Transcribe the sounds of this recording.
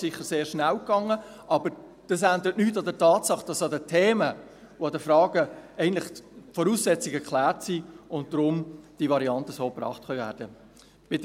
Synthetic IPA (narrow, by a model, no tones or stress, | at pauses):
sɪχəɾseːɾʃnæwkɑŋːə | ɑbəɾ | d̥ɑs̬ænd̪əɾətnytːɑdətʰɑːtsɑχd̥ɑsɑdətʰeːmə | uɑdəfɾɑːɡəɛɪɡntlɪχfɔɾuːssɛt͡siɡɛɾklæːɾtsiːʊnd̥ɾʊmd̥ivɑɾiɑntəsoːprɑ̰ːχtχœvæ̰ːɾd̥ə | b̥ɪd